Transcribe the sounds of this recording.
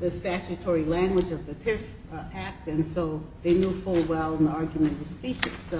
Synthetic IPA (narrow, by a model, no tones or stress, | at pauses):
ðɨstæt͡ʃɨtʰɔɹilæ̃ŋɡwəd͡ʒʌvðɨtʰɪf | æk̚tɨ̃nsoʊðeɪnjufʊlˠwɛlˠə̃nðiɑɹɡjmɨ̃ntʌ̥spiʃiz̥